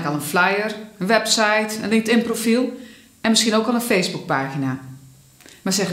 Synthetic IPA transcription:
kɔlˠənflɛjərənʋɛpsajtə̰nlɪŋk̚tɪnprofilˠ | ɛnmɪskiənoːkɔlˠənfejsbuk̚paːxina | masɛx

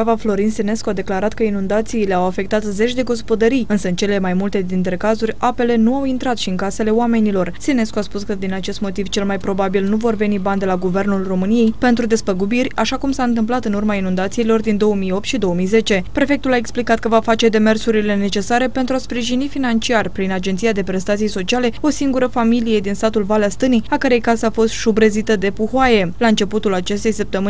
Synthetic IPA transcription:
avaflo̞ɾinsine̞skoad̪e̞klaɾat̪kəinund̪at̪siːle̞awafe̞k̚t̪at̪ze̞t͡ʃʲd̪e̞ɡo̞s̬po̞d̪əɾijɨnsəɨnt͡ʃe̞le̞majmult̪e̞d̪int̪ɾe̞kazurʲape̞le̞nuawint̪ɾat̪ʃiɨnkase̞le̞oame̞nilo̞rsine̞skuaspuskəd̪inat͡ʃe̞st̪mo̞t̪iv̥t͡ʃe̞lmajpɾo̞babilnuvo̞rve̞niband̪e̞laɡuve̞rnulro̞mɨnije̞jpe̞nt̪ɾud̪e̞spəɡubirʲaʃakumsaɨnt̪ɨmplat̪ɨnurmainũnd̪at̪siilo̞rd̪ind̪o̞wəmijo̞p̚t̪ʃid̪o̞wəmijze̞t͡ʃe̞pɾe̞fe̞k̚t̪ulae̞ksplikat̪̚kəvafat͡ʃe̞d̪e̞me̞rsuɾile̞ne̞t͡ʃe̞saɾe̞pe̞nt̪ɾuaspɾiʒinifinant͡ʃiarʲpɾinad͡ʒe̞nt̪sijad̪e̞pɾe̞st̪at̪sijso̞t͡ʃiale̞o̞siŋɡuɾəfamilije̞d̪inst̪at̪ulvalast̪ɨniakəɾe̞jkaseafo̞st̪ʃubɾezit̪əd̪e̞puhoaje̞laɨnt͡ʃe̞put̪ulat͡ʃe̞st̪e̞jsəp̚t̪əmɨ

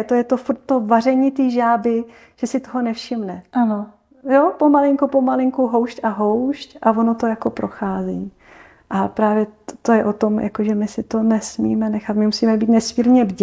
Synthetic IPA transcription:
t̪ojɛt̪ofuɾt̪ːovar̝ɛɲit̪iːʒaːbɪ | ʒ̥ɛsɪt̪oɦonɛfʃɪmnɛʔano | jopo̞malɪŋkupomalɪŋkuɦo̞wʃcaɦowʃcʔavo̞no̞t̪o̞jako̞pɾo̞xaːziː | ʔapɾaːvjɛt̪o̞jɛʔo̞t̪o̞mjʔa̰koʒɛmɪsɪt̪o̞nɛsmiːmɛnɛxat̪mɪmusiːmɛbiːt̪nɛsmiːɾɲɛbɟ

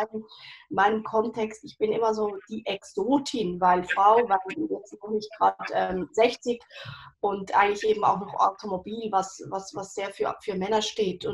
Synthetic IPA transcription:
aɪnəmaɪnəmkʰɔntʰɛkstɪçb̥ɪnʔɪ̰mɐzoːd̥iːʔɛksoːtʰɪnvaɪlfʁ̥aʊvanjɛt͡stnɔχnɪçt̚ɡ̥ʁaːtʔɛːmzɛçt͡sɪkʔʊntʔa̰ɪɡəŋtlɪçʔeːbm̩a̰ʊxnɔχʔa̰ʊtʰomobiːlvasvasvasz̥eːɐfyːɐfyːɐmɛnɐʃteːtʰʊn

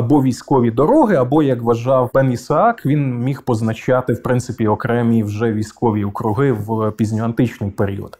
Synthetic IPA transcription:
ɐbɔʋʲijsʲkɔʋʲid̪ɔɾɔɦɪɐbɔjɐkʋɐʒɑwbɛnisɐɑkʋʲinmʲixpɔznɐt͡ʃɑt̪ɪwpɾɪnt̪sɪpʲiɔkɾɛmʲiwʒɛʋʲijsʲkɔʋʲiɔkɾʊɦɪwpʲizʲnʲʊɐnt̪ɪt͡ʃnɪjpeɾʲḭɔ̰d̪

